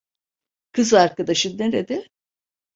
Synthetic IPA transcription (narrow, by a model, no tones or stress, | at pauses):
kʰɯzaɾkad̪aʃɯeɾed̪ɪ